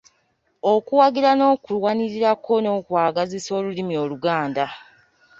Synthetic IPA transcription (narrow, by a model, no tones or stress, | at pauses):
okuwaɡiɾano̞ːkulwaniɾiɾakʰo̞no̞ːkwaːɡaziso̞ːlulimio̞luɡaːnda